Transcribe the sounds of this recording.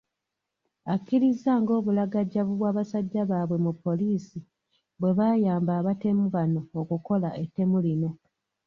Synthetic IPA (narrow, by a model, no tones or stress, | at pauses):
akːiɾizaːŋɡo̞ːβulaɡaɟaβuβwaːβasaɟːaβaːβwe̞mupːo̞liːsi | βwe̞βajaːmbaːβate̞muβano̞ːkuko̞laʔetːe̞mulino̞